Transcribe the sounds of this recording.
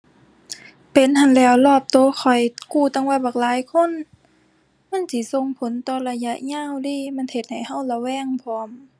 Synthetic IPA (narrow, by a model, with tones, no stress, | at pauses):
pe˨˦nha˧˨nlɛː˧˩wlɔː˧˩p̚t̪oː˧˦xʰɔ˨˩jkuː˧˩t̪a˧˨ŋwaː˧˩baː˧˩k̚laː˨˦jkʰo˧˥˨n | ma˧˥˨nsi˧˦so˧˨ŋpʰo˨˦nt̪ɔː˧˩la˧ja˧ʔɲaː˧˥˨wdiː˧˥˨ma˧˥˨nhe˧t̪̚ha˨˩jha˧˥˨wla˧˩wɛː˧˩˨ŋpʰɔː˧˦m